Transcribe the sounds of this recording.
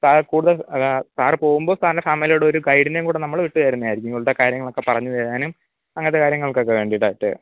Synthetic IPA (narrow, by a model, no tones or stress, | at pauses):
sakuːɽuðɐsaːrɨpo̞ːɣumboːst̪ʰaːnɐnesaːmelijuɽeoɾuɡɐjɖinejumkuːɽenɐmːɐɭʋiʈːɨʋɐjɾunːɐjaːjiɾikʲːuŋɡuɭɽɐkaːɾjɐŋːɐɭo̞kːe̞pɐrɐɲːɨðeaːnum | ɐŋːɐnðekaːɾjɐŋːɐɭokːokːeʋe̞ːɳɖiʈːaːjiʈːɨ̰